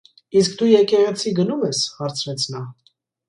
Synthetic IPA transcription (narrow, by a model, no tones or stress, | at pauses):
isk̚d̪ujɛkɛʁɛt͡sʰiɡənumɛshɑɾt͡sʰɾɛt͡sʰnɑ